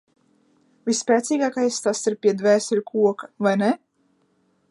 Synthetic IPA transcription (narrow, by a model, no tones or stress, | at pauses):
vʲispʲɛːt̪siːɡaːkajst̪asiɾpʲiɛd̪væːsʲɛlʲkʰuɔkḁvajnɛ